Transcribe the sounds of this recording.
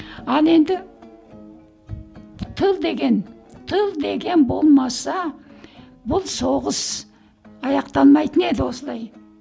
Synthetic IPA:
ɑnˠe̞nd̪ɪ | t̪ʰəlˠd̪e̞ɡʲe̞n | t̪ʰəlˠd̪e̞ɡʲe̞nbo̞lˠmɑsɑ | bʊlˠso̞ʁəs | ɑjɑqt̪ɑnmɑjt̪əne̞d̪ɪwo̞səlˠɑj

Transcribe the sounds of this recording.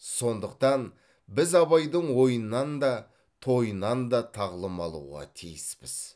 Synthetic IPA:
so̞nd̪əq̚t̪ɑn | bɪzɑβɑjd̪əɴwo̞jənːɑnd̪ɑ | t̪ʰo̞jənːɑnd̪ɑt̪ʰɑʁlˠəmɑlˠṵʁɑ̰t̪ʰijɪspɪz̥

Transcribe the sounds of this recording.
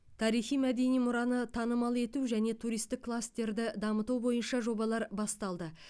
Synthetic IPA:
t̪ʰɑɾijχijmæd̪e̞nijmʊɾɑnət̪ʰɑnəmɑlˠe̞t̪uʒæne̞t̪ʰuɾijst̪ɪkʰːlˠast̪e̞ɾd̪ɪd̪ɑmət̪ubo̞jənʃɑʒo̞bɑlˠɑɾbɑst̪ɑlˠd̪ə

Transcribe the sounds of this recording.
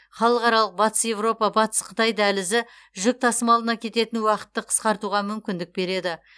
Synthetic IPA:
χɑlˠəqɑɾɑlˠəq̚bɑt̪ə̥sje̞vro̞pɑbɑt̪ə̥sqʰət̪ɑjd̪ælɪzɪ | ʒʏk̚t̪ʰɑsəmɑlˠd̪ənɑkʲʰe̞t̪e̞t̪ɪnwɑqə̥t̪ːəqʰə̥sqɑɾt̪uʁɑmʏmkʲɪnd̪ɪk̚be̞ɾe̞d̪ɪ

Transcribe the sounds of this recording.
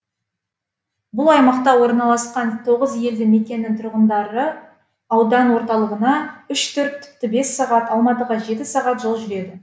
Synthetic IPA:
bʊlˠɑjmɑqt̪ɑwo̞ɾnɑlˠɑsqɑnt̪ʰo̞ʁəzje̞ld̪ɪme̞kʲe̞nːɪŋt̪ʰʊɾʁənd̪ɑɾə | ɑwd̪ɑnwo̞ɾt̪ɑlˠəʁənɑʏʃt̪ʰɵɾt̪t̪ʰʏ̥p̚t̪ɪbe̞sːɑʁɑt̪ɑlˠmɑt̪əʁɑʒe̞t̪ɪsɑʁɑt̪ʒolˠʒʏɾe̞d̪ɪ

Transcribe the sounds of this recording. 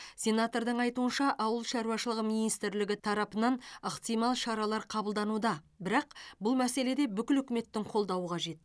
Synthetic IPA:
sʲe̞nat̪oɾd̪əɴɑjt̪uənʃɑʔɑwəlˠʃɑɾuwɑʃəlˠəʁəminijst̪ɪɾlɪɡʲɪt̪ʰɑɾɑpənɑnəqt̪ijmɑlˠʃɑɾɑlˠɑɾqʰɑbəlˠd̪ɑnud̪ɑbɪɾɑq̚bʊlˠmæse̞le̞d̪e̞bʏkʲɪlʏkʲɪme̞t̪ːɪŋqʰo̞lˠd̪ɑwəqʰɑʒe̞t̪̚

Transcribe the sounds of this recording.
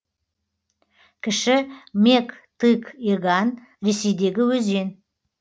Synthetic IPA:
kʲʰɪʃɪmekt̪ɨkeɡan | ɾe̞sejd̪e̞ɡʲɪwɵzen

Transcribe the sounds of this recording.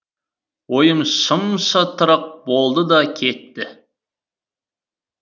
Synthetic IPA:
wojəmʃʊmʃɑt̪ʰəɾəq̚bolˠd̪əd̪ɑkʲʰe̞t̪ːɪ

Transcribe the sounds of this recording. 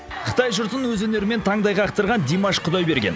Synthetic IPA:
qʰə̥t̪ɑjʒʊɾt̪ənwɵzwɵne̞ɾɪme̞nt̪ʰɑɴd̪ɑjʁɑːqt̪əɾʁɑnd̪emɑʃqʰʊd̪ɑjbe̞ɾɡʲe̞n

